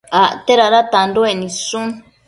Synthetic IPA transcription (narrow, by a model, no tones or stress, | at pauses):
aʔt̪eɾaɾat̪andoenĩsun